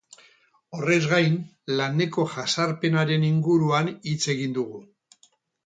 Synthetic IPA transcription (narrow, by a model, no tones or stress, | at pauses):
o̞re̞zɣajn | lane̞ko̞ʝasaɾpe̞naɾe̞niŋɡuɾuanit͡se̞ɣind̪uɣ̞u